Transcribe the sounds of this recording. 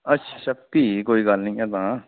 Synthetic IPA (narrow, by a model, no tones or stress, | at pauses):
ɐtːʃʰḁsɐb̚k̪ikoːikaːlnɐ̃ĩɛt̪ãː